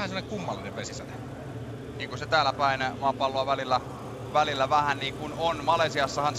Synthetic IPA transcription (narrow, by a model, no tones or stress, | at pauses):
hænselːɑneŋkumːɑlːinḛʋʋesisænḛ | niːŋkunset̪æːlːˑæpæˑinmuɑpɑlːˑoɑʋælilːæ | ʋælilːæʋæhænniːŋkunonmɑlesiɑsːɑhɑns